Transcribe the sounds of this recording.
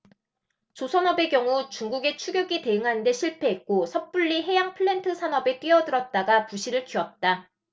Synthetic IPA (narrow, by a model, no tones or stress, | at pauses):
t͡ɕosʰʌnʌbe̞kjʌŋut͡ɕuŋɡuɡe̞t͡ɕʰuɡjoɡite̞ɯŋɦanɯnde̞ɕʰiɭpʰe̞ːk̚k͈osʰʌp͈uʎːiɦe̞jaŋpʰɯɭːe̞ntʰɯsʰanʌbe̞t͈ɥiʌdɯɾʌt̚t͈aɡapuɕʰiɾɯɭkiʌt̚t͈a